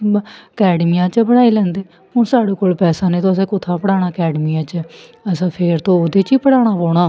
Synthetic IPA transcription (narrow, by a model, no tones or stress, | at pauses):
əkɛːɖmijãːt͡ʃbəɽaːiːlɛ̃ːnd̪eː | hʊ̃ːsaːɽeːkoːlpɛːsãːneːt̪õːəsɛ̃ːkʊt̪ʰːãːpəɽaːɽ̃aːkɛːɖmijãːt͡ʃəsãːpʰeːɾt̪õːoːd̪eːt͡ʃiːpəɽaːɽ̃aːpoːɽ̃aː